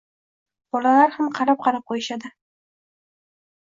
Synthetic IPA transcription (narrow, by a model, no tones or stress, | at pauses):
b̥ɒlalaɾhamqʰɑɾap̚qʰɑɾap̚qʰojɪʃad̪ɪ